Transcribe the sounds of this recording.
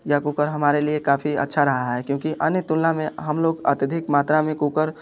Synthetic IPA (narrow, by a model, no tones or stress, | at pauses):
jakukəɾɦɐmaːɾeliekaːfʰiə̰tːʃʰaɾəɦaɦɛkjõːkiʔənjt̪ʊllamẽɦɐmloːɡə̰t̪jəd̪ʱɪkmaːt̪ɾamẽkuːkəɾ